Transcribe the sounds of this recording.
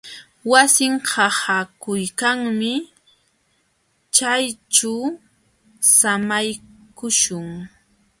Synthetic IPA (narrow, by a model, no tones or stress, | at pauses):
wasɪŋhɑhakʊjkaŋmɪ | t͡ʃajʈ͡ʂa | samajkʊʃʊŋ